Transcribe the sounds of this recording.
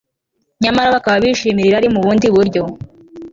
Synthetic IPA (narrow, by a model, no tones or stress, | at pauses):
ɲamaɾaβakaβaβiːʃimiɾiɾaɾimuβuːndiβuɾɟo̞